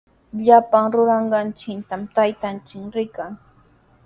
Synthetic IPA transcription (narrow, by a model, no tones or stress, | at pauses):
ʎapaŋɾʊɾɑɴɢɑnt͡ʃɪnt̪amt̪ajt̪ant͡ʃɪkɾɪkaŋ